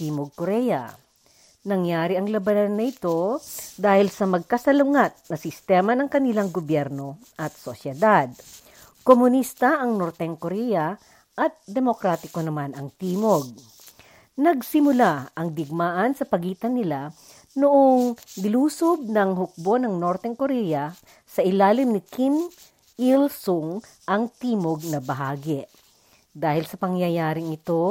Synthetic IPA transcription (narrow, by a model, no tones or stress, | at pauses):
iːmoɡ̚koɾɛjɐ̰ | nɐŋjaːɾɪʔɐŋlɐbɐnanːɐɪt̪o̞d̪aːhɪlsɐmɐɡ̚kɐsɐlʊŋat̪̚nɐsɪst̪ɛːmɐnɐŋkɐnɪlaŋɡobjɛɾno̞ | ʔɐt̪̚sosjɛd̪ad̪̚ | komʊnist̪ɐʔɐŋnoɾt̪ɛŋkoɾɛjɐ | ʔɐt̪̚d̪ɛmokɾaːt̪ɪkonɐmanɐŋt̪iːmoɡ̚ | nɐɡsɪmʊlaʔɐŋd̪ɪɡ̚maːʔɐnsɐpɐɡiːt̪ɐnːɪla | nʊʔoŋɡɪluːsob̚nɐŋɦʊk̚bonɐŋno̞ɾt̪ɛŋkoɾɛjɐ | sɐʔɪlaːlɪmnɪkim | ilsʊŋ | ʔɐŋt̪iːmoɡ̚nɐbɐɦaːɡɪ | d̪aːhɪlsɐpɐŋjɐjaːɾɪŋɪt̪o̞